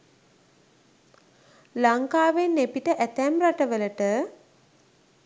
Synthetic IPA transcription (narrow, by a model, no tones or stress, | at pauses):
laŋkaːʋenːepiʈəʔæt̪æmraʈəʋələʈə